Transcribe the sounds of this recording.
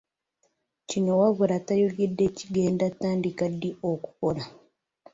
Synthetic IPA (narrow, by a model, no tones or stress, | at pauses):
cinowaβuɾatajuljidːe̞ciɡe̞ːndataːndikadːioku̥kola